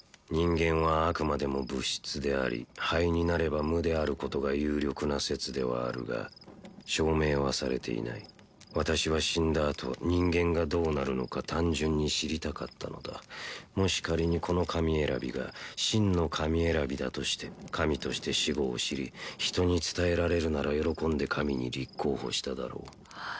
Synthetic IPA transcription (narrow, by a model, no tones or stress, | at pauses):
ɲ̟ĩŋɡẽ̞ɰ̃β̞aːkɯ̟mad̪e̞mo̞bɯ̟ɕi̥t͡sɨd̪e̞a̰ɾʲḭhaiɲ̟inaɾe̞bamɯ̟d̪e̞aɾɯ̟ko̞t̪o̞ɡajɯːɾʲjo̞kɯ̟nase̞t͡sɨd̪e̞β̞a̰ːɾɯ̟̰ɡa̰ɕo̞ːme̞ːβasaɾe̞̰t̪ʰe̞̰ḭna̰i | βat̪aɕiβaɕĩnd̪aːt̪ʰo̞̰ɲ̟ĩŋɡẽ̞ŋɡad̪o̞ːnaɾɯ̟no̞̰kat̪ãɲ̟d͡ʑɨ̃ɲ̟ːiɕiɾʲit̪aka̰t̪ʰːano̞d̪a̰mo̞ɕi̥kaɾʲiɲ̟ikʰo̞no̞kʰamʲie̞ɾabʲiɡa̰ɕĩnːo̞kʰamʲie̞ɾabʲid̪a̰t̪o̞ɕi̥t̪e̞̥kʰamʲit̪o̞ɕi̥t̪e̞ɕiɡo̞ːɕiɾʲḭçi̥t̪o̞ɲ̟it͡sɨ̥t̪ae̞ɾaɾe̞ɾɯ̟naɾajo̞ɾo̞kõ̞nd̪e̞kʰamʲiɲ̟ḭɾʲikʰːo̞ːho̞̰ɕi̥t̪ad̪a̰ɾo̞ː